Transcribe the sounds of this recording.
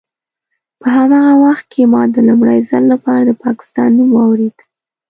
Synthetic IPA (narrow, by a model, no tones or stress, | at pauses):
pəɦamɑɣawaxt̪̚kʰemɑd̪əlumɽajzəlːapɑɾad̪əpɑkɪ̥st̪ɑnːumwɑwɾed̪̥